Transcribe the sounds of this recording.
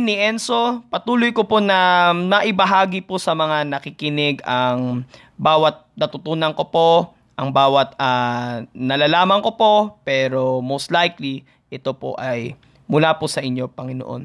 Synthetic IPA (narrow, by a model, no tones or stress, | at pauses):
nɪʔɛnso̞pɐt̪uːlojkoponɐnɐʔɪbɐɦaːɡiposɐmɐŋanɐkɪkɪnɪɡɐŋ | baːwɐt̪̚nɐt̪ʊt̪uːnɐŋko̞po̞ | ʔɐŋbaːwɐt̪̚ɐ | nɐlaːlaːmɐŋko̞po̞pɛːɾo̞mowst̪lajkli | ʔɛt̪o̞po̰ʔɐj | mʊlaːposɐʔɪɲːo̞pɐŋɪno̰ʔo̞̰n